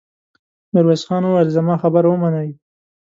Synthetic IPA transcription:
nɪɾwezxɑnowajlzamɑxabəɾwəmanaj

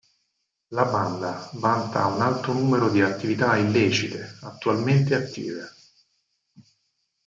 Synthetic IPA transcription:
laband̪avant̪aunalt̪ɾonuːmeɾod̪iat̪ːivit̪ailːeːt͡ʃit̪eat̪ːualment̪eat̪ːḭːve

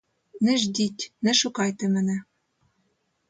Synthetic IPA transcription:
nɘ̆ʒd̪ʲitʲnɘ̆ʃukɑjt̪ĕmɘ̆nɘ̆

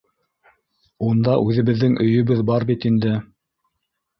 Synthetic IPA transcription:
und̪ɑʔʉðɘ̆βɘ̆ðːɘŋʔɵ̆jɵ̆βɘðbɑɾbit̪ind̪ɘ

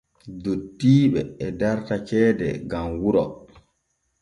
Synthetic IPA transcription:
dodːiːɓɛɛdaɾtat͡ʃɛːdɛ̰ɡamwuɾɔ̰

